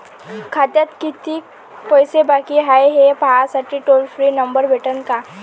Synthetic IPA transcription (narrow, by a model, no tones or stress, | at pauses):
kʰat̪ət̪kit̪i | pɔjsebaːkiɦaːeɦɛpasəʈiʈoːlfʰɾinɐ̃mbəɾbʱeʈənka